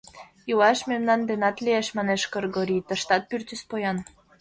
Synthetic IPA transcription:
julɑʃmemnɑnd̪enɑt̪lieʃmɑneʃkorɡoɾʲit̪ə̆ʃt̪ɑt̪̚pyrt̪yspojɑn

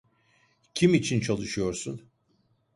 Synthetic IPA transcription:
cʰimit͡ʃʰint͡ʃʰalˠɯʃɯjo̞ɾsun

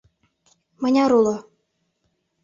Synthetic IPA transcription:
mɤ̆nʲɑɾulo

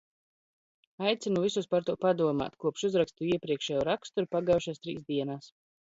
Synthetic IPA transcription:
ajt̪sʲinuvisuspaɾt̪uɔpad̪uɔma̰ːt̪kuɔpʃuzɾakst̪uiɛpɾiɛkʃɛːjuɾakst̪uɾpaɡawʃast̪ɾḭːsd̪iɛnaːs

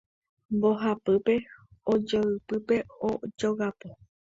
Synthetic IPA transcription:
mboɦapɨpe̞od͡ʒəɨpɨpe̞od͡ʒoɣapo

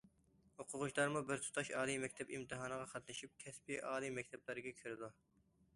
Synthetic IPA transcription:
hoqʰʊʁʊʃd̪ɑɾmubɪɾt̪ʰu̥t̪ʰɑʃɑːlˠimɛkʲt̪ʰɛbimt̪ɨɦɑːnəʁɑqʰɑt̪nɨʃip̚kʲʰɛspiʔɑːlˠimɛk̚ʲt̪ʰɛblˠɨɾɨɡʲɛkʲʰøɾɪd̪u

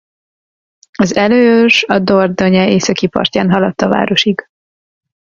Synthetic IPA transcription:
ɒzɛløːøʃɒd̪ord̪oɲɛeːsɒkipɒ̰rcaːnɦɒlɒt̪ːɒva̰ːɾo̞ʃiɡ

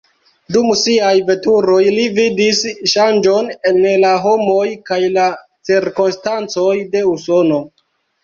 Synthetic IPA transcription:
dumsiajve̞tuɾo̞jlividisʃand͡ʒo̞nenlaɦo̞mo̞jkajla | t͡siɾkonstant͡so̞jde̞uso̞no̞

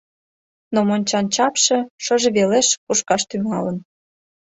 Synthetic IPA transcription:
nomonʲt͡ɕɑnt͡ɕɑpʃĕʃə̆ʒĕβeleʃkuʃkɑʃt̪yŋɑlən

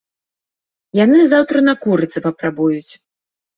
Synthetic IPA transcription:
janɨzawt̪ɾɐnɐkuɾɨt̪sɐpɐpɾabujut͡sʲ

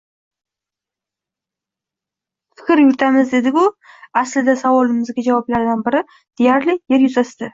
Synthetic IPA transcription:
fɪ̥kʲɾjʊɾt̪ʰamɪzd̪e̞d̪ɪkʲʊ | aslɪd̪asavɒlɪmɪzɡʲad͡ʒavɒblaɾd̪anbɪɾɪ | d̪̥ejaɾlɪje̞ɾjʊzast̪ɪ

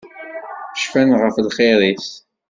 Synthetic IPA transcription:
ʃfænʁəflχeɾiθ

